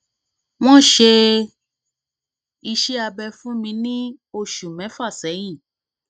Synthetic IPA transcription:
w̃ɔ̃˦ʃe˧ | i˧ʃe˦a˧bɛ˧fũ˦mĩ˧nĩ˦ | o˧ʃu˨mɛ̃˨˦fa˦˨sɛ˨˦j̃ĩ˦˨

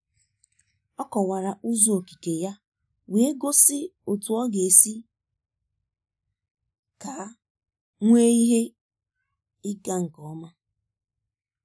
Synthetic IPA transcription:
ɔ˦kɔ˨wa˨ɾa˨ʔu˦zo˦˨o˨ki˨ke˨ja˦ | we˨e˦ɡo˦sɪ˦o˨tu˨ɔ˦ɡe˨e˨si˦ | ka˨˦ | ŋʷe˦i˦ɦe˦ | ɪ˦ɡa˦ŋ̩˨kɔ˨˦ma˦

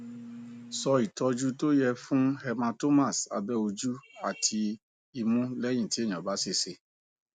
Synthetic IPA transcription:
sɔ˧i˨tɔ˧d͡ʒu˦to˦jɛ˧fũ˦hɛ˧mã˧to˦ma˦˨sa̰˧bɛ˦o˧d͡ʒu˦a̰˦˨tʰi˧ | i˧mũ˦lɛ˦j̃ĩ˦˨ti˨˦ẽ˦˨ɔ̃˨ba˨˦se˦˨se˧

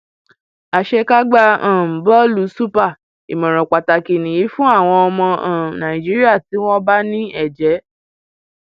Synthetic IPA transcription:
a˨ʃɛ˧ka˦ɡ͡ba˧ã˨m̩˨bɔ˦lu˨su˦pa˦˨ | i˨mɔ̃˨ɾ̃ɔ̃˨k͡pa˨ta˨ki˨nĩ˨ji˨˦fũ˦a˦˨w̃ɔ̃˧ɔ˧mɔ̃˧ã˨nã˨ĩ˨d͡ʒi˨˦ɾi˦a˦˨ti˨˦w̃ɔ̃˦ba˦nĩ˦ɛ˦˨d͡ʒɛ˨˦

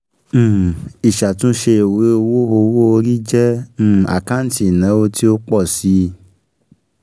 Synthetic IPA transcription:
i˨ʃa˨tũ˦ʃe˧e˨we˨˦o˧wo˦o˧wo˦o˧ɾi˦d͡ʒɛ̃˦˨a̰˨kã˦n˦ti˨nã˨˦o˧˦ti˦o˦k͡pɔ˦˨si˨˦

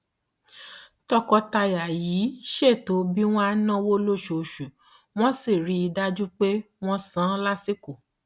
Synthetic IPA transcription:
tɔ˧kɔ˧ta˧ja˨jiː˨˦ʃe˦˨to˨˦bi˦w̃ɔ̃˦a˧nã˦wo˦lo˦˨ʃo˨ʃu˨ | w̃ɔ̃˦si˦˨ɾi˨˦i˧da˦d͡ʒu˦k͡pe˦ | w̃ɔ̃˦sã˦la˦si˦ku˦˨

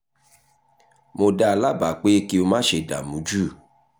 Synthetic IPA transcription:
mo˧da˧la˦˨ba˨˦k͡pe˦ki˦o˧mãː˦ʃe˧da̰˨mũ˨˦d͡ʒu˦˨

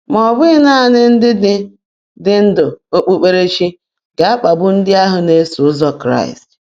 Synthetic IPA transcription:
mɔ˨bʊ˦ɪ˦na˦˨nɪ˦n̩˦dɪ˦dɪ˦ | dɪ˦n̩˦dʊ˨o˦k͡pu˦k͡pe˦ɾe˦t͡ʃi˦ | ɡa˨a˦k͡pa˨bʊ˦n̩˦dɪ˦a˦ɦʊ˨ne˦su˨ʊ˦zɔ˦kɾa̰˦˨ɪ̰˨st

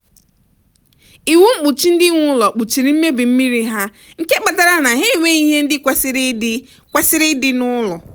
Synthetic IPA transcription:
i˨wu˦ŋ͡m̩˦k͡pu˨t͡ʃi˦n̩˦dɪ˦ŋʷʊ˦lɔ˨k͡pu˨t͡ʃi˨ɾi˨m̩˦me˦bi˨m̩˦mi˦ɾi˦ɦa˦ | ŋ̩˦ke˦k͡pa˨ta˨ɾa˦na˨ɦe˦˨wʷe˦i˦ɦe˦n̩˦dɪ˦kʷsɾɪ˦ | kʷa˦sɪ˦ɾɪ˦dɪ˦nʊ˦lɔ˨

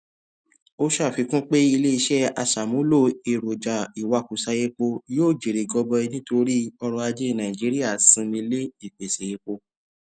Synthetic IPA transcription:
o˦ʃa˦˨fi˧kũ˦k͡pe˦i˧le˦i˧ʃɛ˦a̰˧ʃa˨mũ˨˦lo˦˨e˨ɾo˨d͡ʒa˨i˨wa˧ku˨sa˧je˧k͡po˧joː˦˨d͡ʒe˨ɾe˨ɡɔ˧bɔ˧i˧nĩ˦to˧ɾi˦ɔ˧ɾɔ˧a˧d͡ʒe˦˨nã˨ĩ˨d͡ʒi˨˦ɾi˦a˦˨sĩ˧˦nĩ˧le˦i˦˨k͡pe˨sa˨je˧k͡po˧

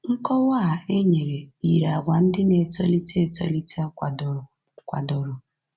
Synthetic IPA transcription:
ŋ̩˦kɔ˦wa˦˨e˦ɲe˨ɾe˨i˨ɾa˨ɡʷa˨n̩˦dɪ˦ne˨to˦li˦ti˦e˨to˦li˦ti˦a˦kʷa˨dɔ˨ | kʷa̰˨dɔ˨ɾʊ˨

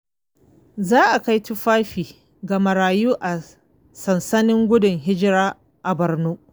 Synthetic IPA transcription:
zaː˦ʔa˨ka˦jtʊ˦ɸaː˦ɸiː˨ | ɡa˨mɐ˨ɾaː˨juː˦ʔa˨ | sɐ˨nsɐ˦nɪ˦ŋɡʷʊ˦dʊ˨ŋɦɪ˦d͡ʒɪ˦ɾaː˦ | ʔa˨bɐ˨rnuː˦ʔ

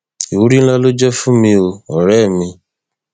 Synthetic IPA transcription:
i˨wu˨˦ɾi˦n̩˦la˦lo˦d͡ʒɔ˦fũ˦mĩ˧o˧ɔ˨ɾɛ˦˨mĩ˧

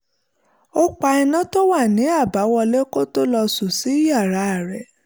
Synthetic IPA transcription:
o˦k͡pa˧ɛ˧nã˦to˦wa˦˨nĩ˨˦a˦˨ba˨˦wɔ˧le˦ko˦to˦lɔ˧su˨si˨˦ja˦˨ɾa˨˧˦a˨ɾɛ˨

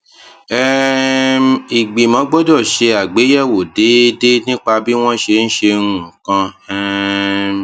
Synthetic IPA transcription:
ɛ˦m˨i˨ɡ͡bi˨mɔ̃˨˦ɡ͡bɔ˦dɔ˦˨ʃe˧a˨ɡ͡be˨˦jɛ˦˨wo˨de˨˦de˦nĩ˦k͡pa˧bi˦w̃ɔ̃˦ʃe˧n̩˦ʃe˧ɾũ˨kã˧ɛ˦

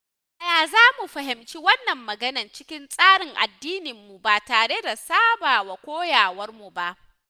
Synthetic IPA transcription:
ʔa˨jaː˨zaː˦mu˨ɸɐ˨ɦɪ˨mt͡ʃi˦wɐ˦nːɐ˨mːɐ˨ɡɐ˦nɐ˨nt͡ʃɪ˦kʲɪ˦nsʼaː˦ɽɪ˨ŋʔa̰˨dːiː˦nɪ˨mːu˨ba˨taː˨ɽe˦da˨saː˦baː˨wa˨kʷoː˦jaː˨wɐ˦rmu˨ba˦˨ʔ

